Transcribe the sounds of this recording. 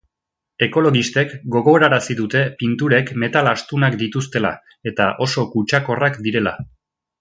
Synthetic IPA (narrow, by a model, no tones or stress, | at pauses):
e̞ko̞lo̞ɣist̪e̞kɡo̞ɣ̞o̞ɾaɾasiðut̪e̞pint̪uɾe̞kme̞t̪alast̪unakd̪it̪ust̪e̞la̰ | e̞t̪aʔo̞so̞kut͡ʃako̞rakd̪iɾe̞la̰